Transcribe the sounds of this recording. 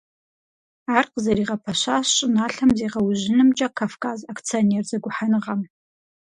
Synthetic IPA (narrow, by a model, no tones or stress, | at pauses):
arqʼzaɾiʁapʰaʃʷast͡ʃʼʊnaɬamzejʁawʒʷɪnɨmd͡ʒʼakʰafkʰʼazakʰt͡sʰionerd͡zaɡʷʊħanɨʁam